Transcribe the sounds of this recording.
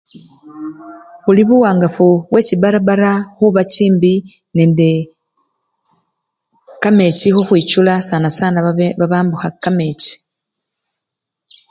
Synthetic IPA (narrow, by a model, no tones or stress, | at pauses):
βuliβuwaːŋɡafuβwe̞ciβaɾaβaɾaxuβaciːmbi | neːnde | kame̞cixuxwiːt͡ʃulasaːnasaːnaβaβaːmbuxakameci̥